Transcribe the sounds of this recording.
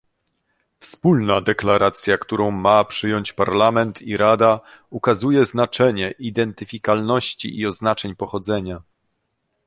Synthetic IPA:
fspulnad̪ɛklaɾʔat̪sʲjakt̪uɾɔ̃w̃mapʂɘjɔɲt͡ɕpaɾlamɛnt̪ʰiɾad̪a | ukazujɛznat͡ʂɛɲɛʔid̪ɛnt̪ɘfʲikalnɔɕt͡ɕḭʔiɔznat͡ʂɛɲpɔxɔd̪zɛɲa

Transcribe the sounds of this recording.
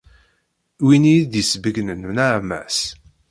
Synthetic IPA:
winijd̪jəsvəɡnənnaʕmæ̰s

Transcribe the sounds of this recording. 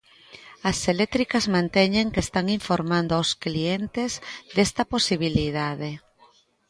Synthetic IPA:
ɐselet̪ɾikɐzmãnt̪ɛɲeŋkest̪aŋiɱfoɾmãnd̪oaosklient̪ezd̪est̪ɐposiβ̞iliðaðe

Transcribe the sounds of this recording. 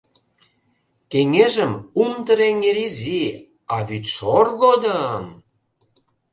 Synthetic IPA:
keŋeʒə̆mumt̪əɾeŋeɾizi | ɑβyt̪ʃorɣod̪əm

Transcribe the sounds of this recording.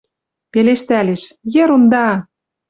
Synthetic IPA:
peleʃt̪æleʃjĕɾund̪ɑ

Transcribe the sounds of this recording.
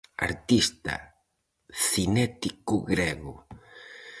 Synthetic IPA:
a̰ɾt̪ist̪ɐ̰ | θinɛt̪ikʊɣɾɛɣʊ

